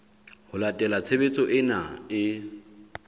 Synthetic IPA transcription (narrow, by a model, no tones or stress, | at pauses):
hʊlatʼɛlat͡sʰebet͡sʼɔʔɪnaɪ